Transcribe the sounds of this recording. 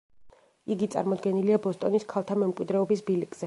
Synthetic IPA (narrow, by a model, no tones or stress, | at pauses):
iɡit̪sʼa̰ɾmɔd̪ɡɛniliabɔst̪ʼɔniskʰalˠt̪ʰamɛmkʼwid̪ɾɛɔbisbilikʼz̥ɛ